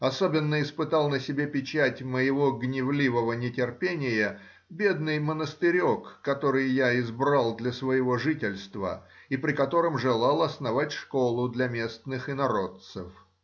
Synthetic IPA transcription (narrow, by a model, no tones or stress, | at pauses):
ɐsobʲɪnːəɪspɨt̪ɑlˠnəsʲɪbʲepʲɪt͡ɕætʲməjɪvoɡnʲɪvlʲivəvənʲɪtʲɪrpʲenʲɪjə | bʲe̞d̪nɨjmənəst̪ɨɾʲo̞kːɐt̪o̞ɾɨjːaɪzbɾalˠd̪lʲɐsvəjɪvo̞ʐɨtʲɪlʲst̪və̰ | ipɾʲɪkɐt̪o̞ɾəmʐɨlˠɑlˠɐsnɐvatʲʂko̞lˠʊd̪lʲɐmʲe̞st̪nɨxɨnɐɾo̞t̪sɨ̰f